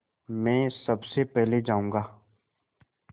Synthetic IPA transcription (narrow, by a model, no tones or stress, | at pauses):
mɛ̃ːsəbsepɛɦled͡ʒaːũːŋɡaː